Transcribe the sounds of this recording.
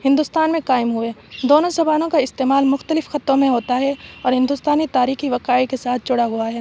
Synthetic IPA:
hɪ̃nd̪ʊst̪aːnmẽqaːɪmɦʊeːd̪oːnõsɐbaːnõkaɪst̪eːmaːlmʊxt̪əlɪfxɐt̪ɾõmẽɦoːt̪aɦɛɔːɾɦɪ̃nd̪ʊst̪aːnit̪aːɾiːxiʋɐqaːikesaːt̪̚ʰt͡ʃʊɽaɦʊaɦɛː

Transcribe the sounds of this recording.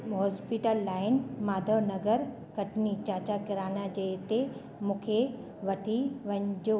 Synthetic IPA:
ɦɔːspiʈəlːaːɪnmaːd̪ʱənɐɡəɾ | kɐʈnit͡ɕaːt͡ɕakɪɾaːnad͡ʑɐet̪e | mũːkʰe | ʋɐʈʰiʋɐ̃ɲ̃d͡ʑo

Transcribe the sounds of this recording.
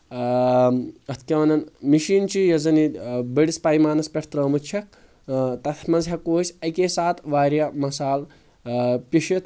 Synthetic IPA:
ɐt̪ʰkʲɐʋɐnɐnmiʃiːnt͡ʃijɐzɐnibɐɽispajmaːnɐspʲeʈʰt̪ɾɐːmut͡ʃʰɐk̚ | t̪ɐt̪ʰmɐzɦakoːsʲɐjkesaːt̪ʰʋaːɾjamɐsaːl | pʲiʃit̪ʰ

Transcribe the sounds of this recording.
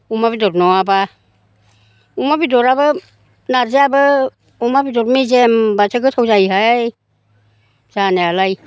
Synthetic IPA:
umabidɔɾnɔaba | umabidɔɾabɯ | naɾzeabɯ | umabidɔɾmizembasʰaɡɯsʰawzajɦaj | z̥anealaj

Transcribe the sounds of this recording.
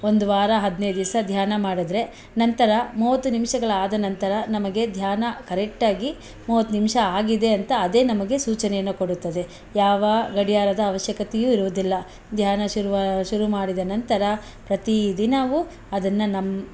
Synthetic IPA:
o̞nd̪uʋaːɾɐɦɐd̪nejd̪isɐd̪ʱjaːnɐmaːɽid̪ɾe̞ | nɐnt̪ɐɾɐmuːʋɐt̪ːunimʂɐɡɐɭɐaːd̪ɐnɐnt̪ɐɾɐnɐmɐɡe̞d̪ʱjaːnɐkɐɾek̚ʈaːɡi | muːʋɐt̪ːunimʃɐaːɡid̪e̞ɐnt̪ɐːd̪e̞ːnɐmɐɡe̞suːt͡ʃɐnɛjɐnːuko̞ɽut̪ːɐd̪e̞ | jaːʋɐɡɐɽijaːɾɐd̪ɐːʋɐʃjɐkɐt̪ɛjuːiɾuʋud̪ilːɐ | d̪ʱjaːnɐʃuuʃuɾumaːɽid̪ɐnɐnt̪ɐɾɐ | pɾɐt̪id̪inɐʋu | ɐd̪ɐnːɐnɐm

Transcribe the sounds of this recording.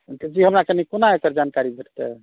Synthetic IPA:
td͡ʒiɦəmɾakenikonaekəɾd͡ʒankaɾibʱeʈʰt̪ɛ̰

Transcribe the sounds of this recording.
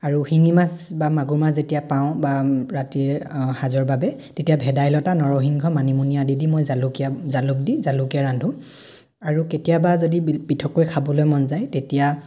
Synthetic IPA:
aɹuhiŋimasbamaɡuɹmaszetijapaʊ̃baɹatiɛhazɔɹbabɛtetijabʱɛdajlɔtanɔɹɔɦiŋɡʱɔmanimunijadidimojzalukijazaluk̚dizalukijaɹandʱũ | aɹuketijabazodipitʰɔkojkʰabɔlojmɔnzajtetija

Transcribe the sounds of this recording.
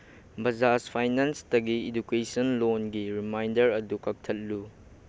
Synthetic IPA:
bɐzaspʰajnanstɐɡiidukesɐnlonɡiɾimajndɐɾɐdukɐk̚tʰɐt̚lu

